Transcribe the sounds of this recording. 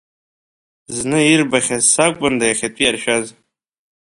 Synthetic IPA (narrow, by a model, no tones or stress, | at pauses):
znɨirbaχʲazsakʷʼʊndajaχʲatʼijarʃᶣaz